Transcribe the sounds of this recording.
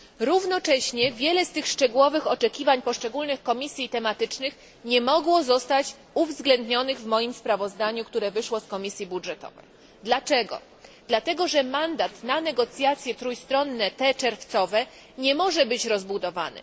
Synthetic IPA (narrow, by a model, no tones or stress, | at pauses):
ɾuvnɔt͡ʂɛɕɲɛvʲjɛlɛst̪ɘxʂt͡ʂɛɡuwɔvɘxɔt͡ʂɛkʲivaɲpɔʂt͡ʂɛɡulnɘxkɔmʲisʲjit̪ɛmat̪ɘt͡ʂnɘx | ɲɛmɔɡwɔzɔst̪at͡ɕ | uvzɡlɛnd̪ɲɔnɘɣvmɔjimspɾavɔzd̪aɲukt̪uɾɛvɘʂwɔskɔmʲisʲjibudʐɛt̪ɔ̰vɛ̰j | d̪lat͡ʂɛɡɔ̰ | d̪lat̪ɛɡɔʐɛmand̪at̪nanɛɡɔt̪sʲjat̪sʲjɛt̪ɾujst̪ɾɔnːɛt̪ɛt͡ʂɛɾft̪sɔvɛ | ɲɛmɔʐɛbɘt͡ɕɾɔzbud̪ɔva̰nɛ̰